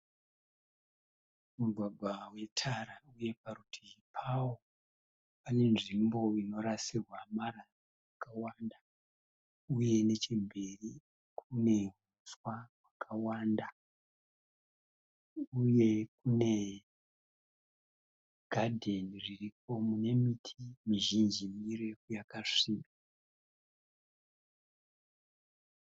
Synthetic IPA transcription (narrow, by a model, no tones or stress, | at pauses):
muɡʱwaɡʱwawe̞tʰaɾauje̞paɾutʰipʰawo | pane̞nʐimbo̞ino̞ɾasirwamaɾarowakawanda | uje̞ne̞t͡ʃimberi | kʰune̞ŋ | uswawakʰawanda | uje̞kune̞ | ɡ̥ʱadʱe̞niririp̚o̞mune̞mitʰimiʒind͡ʒimirekujakaʂiːka